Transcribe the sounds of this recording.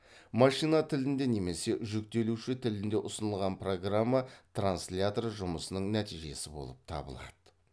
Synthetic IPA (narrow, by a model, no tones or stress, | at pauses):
mɑʃijnat̪ʰɪlɪnd̪e̞ne̞me̞se̞ʔʒʏk̚t̪e̞luʃɪt̪ʰɪlɪnd̪e̞ʔʊsənəlˠʁɑnpro̞ɡramːat̪ranslʲat̪orʒʊməsənəɴŋnæt̪ijʒe̞̰sɪbo̞̰lˠəp̚t̪ʰɑ̰bəlˠɑ̰d̪̥ə